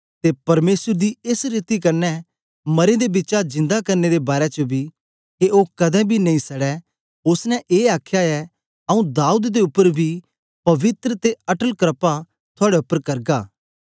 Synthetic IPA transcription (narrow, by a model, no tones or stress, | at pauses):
t̪epɐɾmeːsəɾd̪iɪsɾit̪ikɐɾnɛ | mɐɾẽd̪ebɪt͡ʃad͡ʒɪ̃nd̪akɐɾned̪ebaːɾɛt͡ʃəbi | keʔoːkɐd̪ɛ̃bʱinɐ̃ĩsɐɽɛ | ʊsnɛ̃ʔeːaːkʰjaɛ | ɐũd̪aːud̪d̪eʊpːəɾbʱi | pɐʋɪt̪ɾət̪eɐʈəlkɾəpa | t̪ʰoʊaːɽɛʊpːəɾkɐɾɡaː